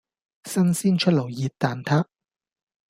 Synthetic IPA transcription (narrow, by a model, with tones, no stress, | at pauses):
sɐ˥nsiː˥nt͡ʃʰɵ˥t̚lɐ˨˩wjiː˨t̚t̪ːaː˨˧nt̪ʰaː˥